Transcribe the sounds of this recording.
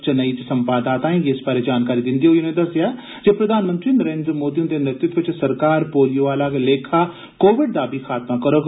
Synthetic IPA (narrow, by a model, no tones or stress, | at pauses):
t͡ʃnəit͡ʃsɐ̃mpaːd̪aːt̪ãẽjeɪsbaːɾed͡ʒaːnkaːɾid̪ɪ̃nd̪ioionẽd̪ɐsjaː | d͡ʒepɾɐd̪ʱaːnmə̃nt̪ɾiːnəɾẽːnd̪ɾəmoːd̪ijõnd̪enɪt̪ɪt̪ʋɪt͡ʃsəɾkaːɾpoːlijoʋaːlaːɡleːkʰa | koːʋɪɖ̚d̪aːbʱikʰaːt̪makəɾoːɡ